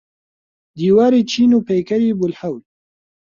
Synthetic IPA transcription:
d̪iːwaːɾit͡ʃiːnupejkɐɾibʊlħawd

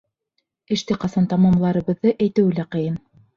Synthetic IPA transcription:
ɘ̆ʃt̪ɘqɑsɑnt̪ɑmɑmlˠɑɾɤ̆βɤ̆ðːɤʔæjt̪ɘ̆wɘ̆læqɤ̆jɤn

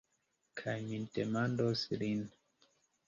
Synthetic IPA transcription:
kʰaɲintemandɔsiɾin

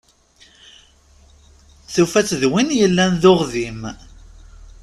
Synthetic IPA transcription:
θufæt͡sːðwinjəlːænðʊʁðim

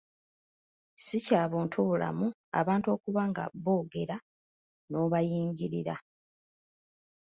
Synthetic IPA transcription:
sicaːβoːntʰoβula̰mua̰βaːnto̞ːkuβaŋɡa̰βoːɡe̞ɾa | no̞ːβajiːɲɟiɾiɾa

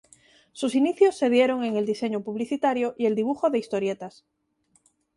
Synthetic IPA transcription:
susiniθjosːe̞ðjeɾo̞ŋe̞ŋeld̪iseɲopuβ̞liθit̪aɾjoʔie̞ld̪iβ̞uxoðe̞ist̪oɾjet̪as

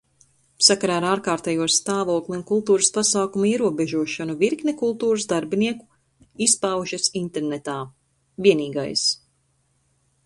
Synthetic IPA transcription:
sakaɾaːɾaːɾkaːɾt̪ɛjuɔst̪aːvuɔklˠiunkulˠt̪uːɾɨspasaːkumuiɛɾuɔbɛʒuɔʃanuviɾknʲekulˠt̪uːɾəsd̪aɾbiniɛku̥ | ispawʒasint̪eɾnet̪aː | viɛniːɡa̰js

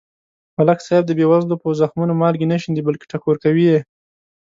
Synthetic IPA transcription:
malaksajb̚d̪əbewazlopəzaxmunomɑlɡenaʃind̪ibalke̥ʈakoɾkawije

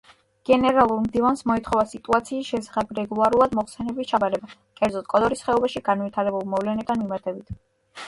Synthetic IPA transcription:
ɡ̥ɛnɛɾalˠuɾmd̪ivansmɔit̪ʰχɔvasit̪ʼuat̪sʰiːsʃɛsḁχɛbɾɛɡulˠaɾulˠad̪mɔχsɛnɛbist͡ʃʰabaɾɛba | kʼɛɾd̪zɔt̪̚ʰkʼɔd̪ɔɾisχɛɔbaʃiɡanvit̪ʰaɾɛbulˠmɔvlɛnɛd̪ʰanmimaɾt̪ʰɛbit̪ʰ

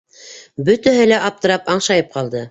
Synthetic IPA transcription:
bɵ̆t̪æɦɘlæʔɑp̚t̪ɤ̆ɾɑpɑɴʃɑjɤp̚qɑlˠd̪ɤ

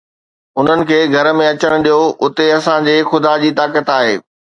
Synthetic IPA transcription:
ʊn̤ənɪ̆kʰeːɡʱɐɾmẽɐt͡ɕəɽ̃̆ɗijoʊt̪eɐsãd͡ʑeːxʊd̪ad͡ʑiːt̪aːkət̪aːɦeː

